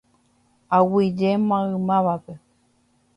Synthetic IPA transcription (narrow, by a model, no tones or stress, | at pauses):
awid͡ʒemãɯmãβake